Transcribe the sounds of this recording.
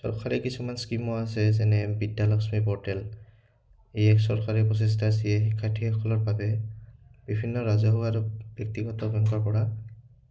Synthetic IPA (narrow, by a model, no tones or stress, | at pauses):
sɔ̰ɹkʰaɹɛkisumanskimɔasɛsɛnɛbidjalɔksmipɔɹtɛl | ejɛksɔɹkʰaɹɛpɹɔs̬es̬tas̬ijɛxikʰːatʰiɔkʰɔlɔɹpabɛ | b̥ibʱinːɔɹazɔɦuaɹubjek̚tiɡɔtɔbʱɔŋɡɔɹpɔɹa